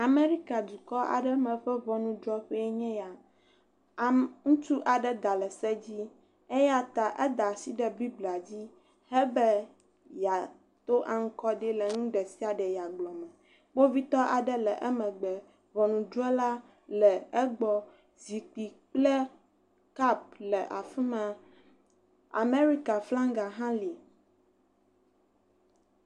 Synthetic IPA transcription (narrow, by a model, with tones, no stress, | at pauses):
a˨me˦ɾi˦ka˨d̪u˨kɔ˦ʔa̰˨ɖɛ˦mɛ̃˨ɸɛ˦vɔ˨nũ˦d͡ʒɔ˦ɸɛ˦ɛ˦ɲɛ̃˦ja˨ | ŋũ˦t͡ʃu˦ʔa˨ɖɛ˦d̪a˨lɛ˨sɛ˦d͡ʑi˦ | ɛ˦ja˦t̪a˨ʔɛ˦d̪a˨si˦ɖɛ˨bi˦bla˨d͡ʑi˦ | hɛ˦bɛ˦ | ja˨ | t̪o˦ʔa˨ŋ̩˦kɔ˦ɖi˦lɛ˨ŋũ˦ɖɛ˨si˦a˨ɖɛ˨ja˨ɡ͡blɔ˨mɛ̃˨ | wo˦vi˦t̪ɔ˦ʔa˨ɖɛ˦lɛ˨ʔɛ˦mɛ̃˨ɡ͡bɛ˨ | vɔ˨nũ˨d͡ʒu˦ɛ˦la˦ | lɛ˨ɛ˦ɡ͡bɔ˨ | zi˨k͡pi˨k͡plɛ˦ | ka˦p̚lɛ˨ʔa˨fi˦mã˨ | a̰˨me˦ɾi˦ka˨flã˦ŋɡa˨ɦã˦li˨